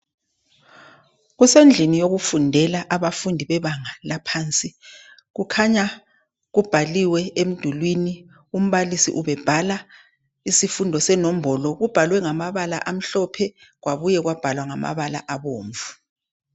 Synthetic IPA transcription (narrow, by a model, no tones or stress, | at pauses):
ɣusend͡ɮʱinijoɣufundʱɛlaʔaβafundʱiβɛβaŋalapʰaːnt͡sʼi | ɣukʰaɲa | ɣub̥ʱaliwɛem̩d̥ʱulwini | um̩βalisḭʔuβɛb̥ʱala | isifundʱɔsɛnom̩bɔlɔɣub̥ʱalwɛŋamaβala̰ʔam̩ɬɔpʰɛɣwaβujɛɣwab̥ʱalwaŋama̰βala̰ʔaβoːɱvu